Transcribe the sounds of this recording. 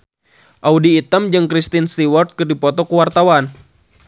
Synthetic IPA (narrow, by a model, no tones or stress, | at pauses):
ʔaudiːt̪əmd͡ʒɨŋkɾist̪inst̪iwɔrt̪̚kɨrdipɔt̪ɔkuwart̪awan